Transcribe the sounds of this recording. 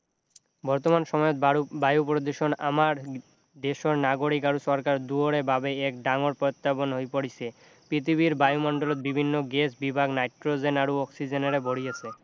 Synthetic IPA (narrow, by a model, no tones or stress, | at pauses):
bɔɾt̪omanʃɔmɔjot̪bajupɾod̪oʃona̰maɾ | d̪eʃoɾnaɡoɽikaɾuʃɔɾkaɾd̪uoɾebabeekɖaŋoɾpɔot̪ːabonɦojpoɽit͡ɕʰe | pɾit̪ʰibiɾbajumɔɳɖolot̪̚bibʱinːoɡesbibʱaɡnajʈɾod͡ʑenaɾuɔksid͡ʑeneɾeboɽijet͡ɕʰe